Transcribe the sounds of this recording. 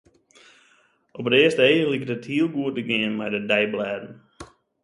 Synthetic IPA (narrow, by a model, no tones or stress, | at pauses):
ʔɔpətɪəstəejəlikdəthiəlˠɡuət̚dəɡɪənmɛjdədɛjblɛːdn̩